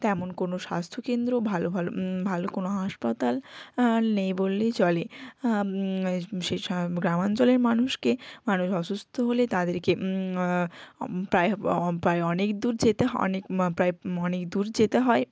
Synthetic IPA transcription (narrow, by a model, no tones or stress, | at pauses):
t̪ɛmonkonoʃa̰st̪ʰokend̪ɾobʱalobʱalo̰bʱalokonoɦaʃpat̪al | nejbolːet͡ɕɔle | ʃeɡɾamant͡ɕoleɾmanuʃkemanuʃɔʃust̪ʰoɦolet̪ad̪eɾke | pɾaepɾaeɔnekd̪uɾd͡ʑet̪eɦɔ̰nekpɾaeɔnekd̪uɾd͡ʑet̪eɦɔe